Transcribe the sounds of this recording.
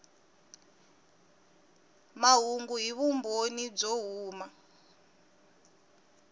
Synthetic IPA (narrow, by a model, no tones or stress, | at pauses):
maɦuŋɡuɦiβumbonib͡ʐoɦuːma